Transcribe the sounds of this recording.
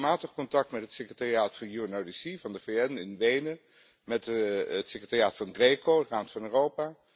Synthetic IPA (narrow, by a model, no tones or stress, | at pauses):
maːtəχkɔntɑk̚tmɛtɦətsekrətaːriaːtfɑnjuənowdisivɑndəveɛnɪnʋejnə | mɛtətsekrətaːriaːtfɑnɡrekoəraːmtfɑnøːrowpaː